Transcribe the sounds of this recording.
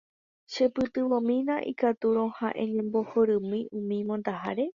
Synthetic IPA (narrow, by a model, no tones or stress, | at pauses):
ʃe̞pɨt̪ɨʋõmĩnãʔḭkat̪uɾ̃õhaʔẽɲẽ̞mbo̞hoɾɨ̃mĩũmĩmõnt̪aɦa̰ɾe̞